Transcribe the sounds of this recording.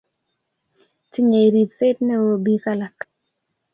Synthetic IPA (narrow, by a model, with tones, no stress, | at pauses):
ti˦ɲe˨i˨ɾi˨psɪ˦tnɛ˦wo˦bi˦ka˦la˨k